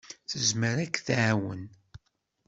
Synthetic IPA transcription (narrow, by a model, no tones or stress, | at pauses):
θəzməɾækθʕwə̰n